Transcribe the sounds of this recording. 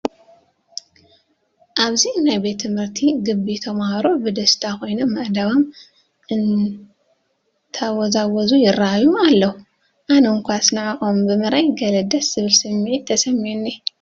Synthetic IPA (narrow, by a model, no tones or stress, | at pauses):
ʔaβzinajbe̞t̪ʰːɨmhɨɾt̪ʰiɡɨbːit̪ʰɐmahɾo̞bɨd̪ɐst̪ʰako̞jno̞mːɐʔd̪aβo̞m | ʔɨn | t̪ʰawozawɔzujɪrːaajualːɐu | ʔanoŋkʷasnɨʕaxombɨmɨɾajɡɐlɐd̪ɐsz̥ɨβɨlsɨmːiʕit̪ʰɐsɐmiʕunːi